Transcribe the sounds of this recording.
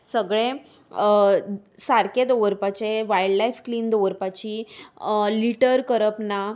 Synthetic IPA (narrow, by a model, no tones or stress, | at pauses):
səɡɭe | saɾked̪oʋəɾpat͡ɕeʋaiɽlajfkliːnd̪oʋəɾpat͡ɕiː | liʈəɾkəɾəpna